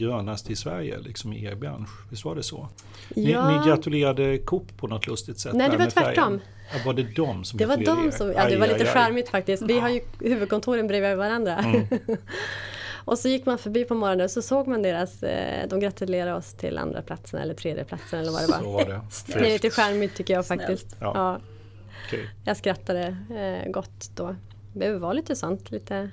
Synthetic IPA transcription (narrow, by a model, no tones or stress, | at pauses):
ɡɾœːnast̪ʰɪlsvæ̰ɾjə̰lɪ̰ksɔmɪḛbɾa̰nɧvɪst̪vaɖɛsɔ̰ | jɪːmɪɡɾat̪ɵleːɾad̪əkʰɔpːʰɔnɔt̪ʰlɵst̪ɪt̪sɛnɛːd̪ɛɛvat̪ʰvæʈːɔm | vaɖɛd̪ɔmsɔmd̪ɛvad̪ɔmsɔmjɑ̰ːd̪ɛvaɾliːt̪əɧaɾmɪt̪fak̚t̪ɪskt̪vɪɦaɾjɵhʉ̟ːvɵd̪̚kʰɔnt̪ʰuːɾənbɾeːvjavaɾand̪ɾa | ʔɔsɔjɪkːmanfœbiːpʰɔmɔɾɔnənsɔsoːɡmand̪eːɾasd̪ɔmɡɾat̪ɵleːɾad̪ɔst̪ʰɪ̰lʔa̰nd̪ɾa̰pʰla̰t̪sənɛ̰lːəʈ̪ʰɾeːd̪jə̰pʰlat̪sənɛlːəɾva̰dɛba̰ | d̪ɛliːt̪əɧæɾmɪt̪ʰːʏkːəjɑːɡfak̚t̪ɪst̪ːɑː | kʰjɑɡskɾat̪ːad̪əɡɔt̪ːd̪̥oː | bɛhœːvəvaliːt̪əsɔnt̪liːt̪ə